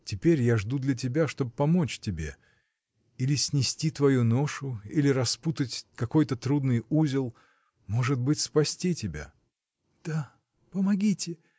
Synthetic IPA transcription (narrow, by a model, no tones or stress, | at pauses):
tʲɪpʲeɾʲjaʐd̪ud̪lʲɐt̬ʲɪbʲaʂt̪o̞bɨpɐmo̞t͡ɕtʲɪbʲe̞̰ | ilʲɪsʲnʲɪsʲtʲit̪vɐjuno̞ʂʊilʲɪɾɐsput̪ətʲkɐko̞jt̪ət̪ɾud̪nɨjuzʲɪlˠ | mo̞ʐɨt̪̚bɨtʲspɐsʲtʲitʲɪbʲa̰ | d̪̥a | pəmɐɡʲitʲɪ